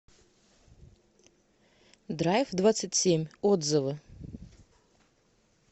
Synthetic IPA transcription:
d̪rajfd̪vat̪sɨtʲsʲemʲod̪zɨvɨ

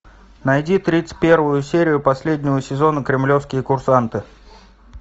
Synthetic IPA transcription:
nɐjdʲit̪ɾʲit̪sɨ̥t̪̚ʲpʲe̞rvʊjʊsʲeɾʲɪjʊpɐsʲlʲedʲnʲɪvəsʲɪzo̞nəkɾʲɪmlʲo̞fskʲɪjəkʊrsant̪ɨ

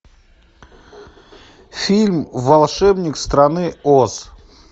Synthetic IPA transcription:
fʲilʲmvɐlˠʂɛbnʲɪkst̪ɾɐnɨos

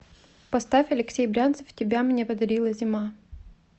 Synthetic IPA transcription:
pɐst̪afʲɐlʲɪksʲejbɾʲant̪sɨ̥ftʲɪbʲamnʲe̞pəd̪ɐɾʲilˠəzʲɪma

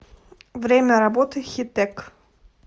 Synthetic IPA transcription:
vɾʲemʲɐɾabɔt̪ɨxʲɪt̪ɛk

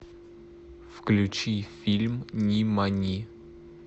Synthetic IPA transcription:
fklʲʉt͡ɕifʲilʲmnʲimanʲi

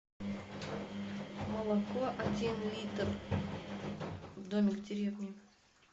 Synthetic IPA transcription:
məlˠɐkoʔɐdʲinlʲit̪r | vd̪omʲɪɡdʲɪɾʲevnʲɪ

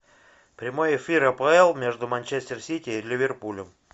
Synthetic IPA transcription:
pɾʲɪmo̞jɪfʲiɾɐpəɛlˠmʲe̞ʐd̪ʊmɐnʲt͡ɕesʲtʲɪrsʲitʲɪːlʲɪvʲɪrpulʲəm

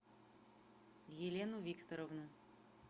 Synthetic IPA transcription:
jelʲenuvʲikt̪oɾɔvnu

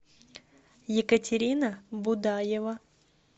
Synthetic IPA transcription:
jɪkətʲɪɾʲinəbʊd̪ajɪvə

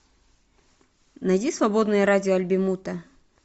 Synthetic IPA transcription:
nɐjdʲisvɐbod̪nɨjəɾadʲɪoɐlʲbʲɪmut̪ɐ

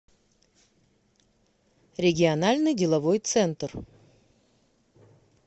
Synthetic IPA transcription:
ɾʲɪɡʲɪɐnalʲnɨjdʲɪlˠɐvo̞jt̪sɛnt̪r

